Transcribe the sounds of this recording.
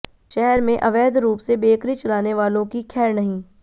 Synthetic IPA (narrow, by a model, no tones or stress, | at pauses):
ʃɛɦɛɾmẽʔɐʋɛːd̪ɾuːpsebeːkɾit͡ʃɐlaːneʋaːlõkikʰɛːɾnɐɦĩː